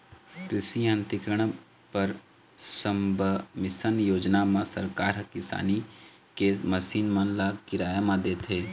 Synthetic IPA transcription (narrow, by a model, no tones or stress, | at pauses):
kɾɪsiãnt̪ɪkɾəɽ̃ | pɐɾ | səmbʱəmɪsənjoːd͡ʒnamãsəɾkaːɾɦɐkɪsa̰ːni | kemɐsiːnmãnlakɪɾaːjamãd̪eːt̪ʰeː